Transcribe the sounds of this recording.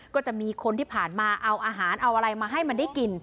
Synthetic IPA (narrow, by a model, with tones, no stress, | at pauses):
kɔː˥˩t͡ɕa˨˩ʔmiː˧kʰo˧nt̪ʰiː˥˩pʰaː˨˩nmaː˧ʔa˧wʔaː˧ɦaː˩˦nʔa˧wʔa˧ɾa˧jmaː˧ɦa˥˩jma˧nda˥˩jki˧n